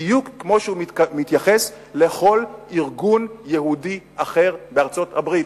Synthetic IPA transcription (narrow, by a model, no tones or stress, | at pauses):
jukːmo̞ʃeumit̪jaχes | leχo̞liʁɡunjehudiʔaχe̞ʁbeaʁt͡so̞thabʁit